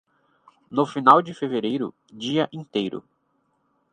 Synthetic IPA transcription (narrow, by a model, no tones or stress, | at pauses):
nʊfinawd͡ʒɪfeveɾejɾʊ̰ | d͡ʒiɐʔĩnt̪ejɾʊ̰